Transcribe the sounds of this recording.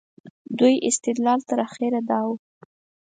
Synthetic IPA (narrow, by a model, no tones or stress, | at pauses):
d̪ujʔɪst̪ɪd̪lɑlt̪əɾaxeɾad̪ɑw